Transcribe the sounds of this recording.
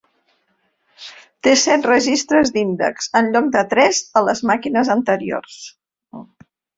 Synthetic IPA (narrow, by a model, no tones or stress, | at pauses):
t̪esɛt̪rəʒist̪ɾəzd̪ind̪ə̰ksənʎɔk̚d̪ət̪ɾɛzələzmakinəzənt̪əɾio̰rs